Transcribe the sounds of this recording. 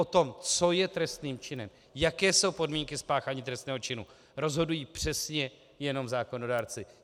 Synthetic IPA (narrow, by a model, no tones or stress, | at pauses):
ot̪o̞mt͡so̞jɛt̪ɾɛst̪niːmt͡ʃɪnɛm | jakɛːso̞wpo̞dmiːŋkɪspaːxaːɲiːt̪ɾɛst̪nɛːɦo̞t͡ʃɪnu | ɾo̞zɦo̞dujiːpr̥ɛsɲɛ | jɛno̞mzaːko̞no̞daːɾt͡sɪ